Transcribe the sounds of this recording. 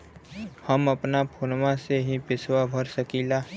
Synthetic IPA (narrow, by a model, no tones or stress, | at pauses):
həməpnapʰoːnwãseɦipɪswabʱəɾsəkiːlaː